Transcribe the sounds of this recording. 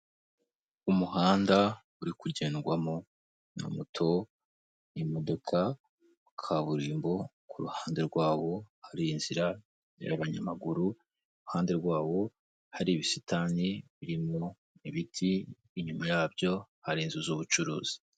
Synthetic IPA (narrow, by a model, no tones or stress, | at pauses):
umuɦaːnda | uɾikuɟe̞ːnɡwamo | nṵmutʰo̞ | nimodokʰa | ukʰaβuɾiːmbo̞ | kʰuɾuhaːnde̞ɾɡwaːβo̞haɾiːnz̥iɾa | ja̰βaɲa̰maɡuɾu | uɾuhaːnde̞ɾɡwaːβo̞ | haɾiβisitaniβiɾimo̞ | iβitʰiː | ɲumajaːbɟo̞haɾiːnzuzuːβut͡ʃuɾṵːz̥i̥